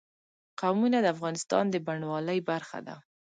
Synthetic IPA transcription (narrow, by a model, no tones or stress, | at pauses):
qawmunad̪əafɣɑnɪst̪ɑ̰nd̪əbaɳwɑləjbaɾxa̰d̪a̰